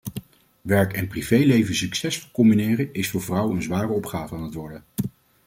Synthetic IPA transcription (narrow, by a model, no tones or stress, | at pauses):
ʋɛɹkɛnprivejlejvənsyksɛsfɔkɔmbinɪːrəɪsfʊːɹvrʌwənənzʋaːrəɔpχaːvəaːnɦətʋɔɹdə